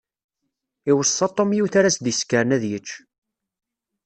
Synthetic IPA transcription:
iwəsˤːɑt̪ˤːomjiwθaɾæsd̪iskːəɾnæðjət͡ʃː

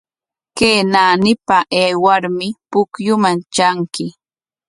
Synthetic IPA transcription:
keːnaːnɪpaʔeːwaɾmɪpʊkjʊmant͡ʃaŋkɪ

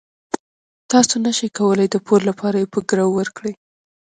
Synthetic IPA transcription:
t̪ɑsonaʃəjkawəlajd̪əpʰollapʰɑɾajepəɡɾawːəɾkɽij

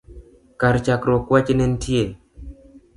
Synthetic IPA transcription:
kaɾt͡ʃakɾɔkwat͡ʃnɛntje

